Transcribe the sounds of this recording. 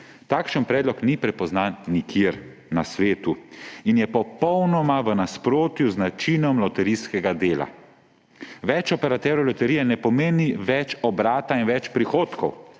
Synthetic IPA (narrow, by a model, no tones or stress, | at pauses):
t̪aːkʃənpɾɛːd̪lɔknipɾɛpɔznaːnːikʰjeɾ | nasʋeːt̪uinjɛpɔpɔwnɔmaʋənaspɾoːt̪juznat͡ʃinɔmlɔt̪ɛɾiskɛɡad̪eːla̰ | ʋɛt͡ʃɔpɛɾat̪ɛːɾɔwlɔt̪ɛɾiːjɛnɛpɔmeːniʋɛt͡ʃɔbɾaːt̪ainʋɛt͡ʃpɾixoːt̪kɔw